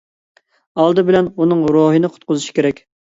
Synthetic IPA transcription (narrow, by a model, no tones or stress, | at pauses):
ɑlˠd̪ɨbɪlɛnunɨŋɾoɦɨnɨqʰʊ̥t̪̚qʊzuʃi̥kʲeɾɛkʲ